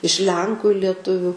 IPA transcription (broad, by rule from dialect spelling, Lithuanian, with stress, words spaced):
ɪʃ ˈlʲɛŋkʊ ɪ lʲiɛˈtʊʋʲʊ